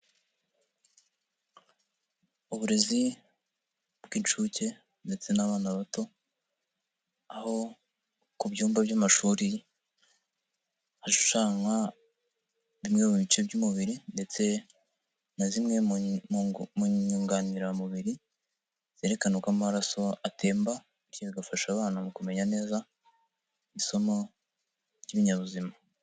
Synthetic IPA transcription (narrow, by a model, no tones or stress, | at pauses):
uβuɾe̞zi | bɡiːnt͡ʃuce̞ | nde̞t͡se̞naβaːnaβato̞ | aho̞ | kubɟuːmbabjamaʃuːɾi | haʃu̥ʃaŋa | βimŋeβuβit͡ʃebɟumuβiɾinde̞t͡se̞ | nazimŋe̞ | muɲuːŋɡaniɾamuβiɾi | z̥eɾe̞kanukammaɾaso̞atʰe̞ːmba | ɾjiβiɡafaʃaβaːnamukume̞ɲane̞ːza | iso̞mo̥ | jiβiɲaβuzima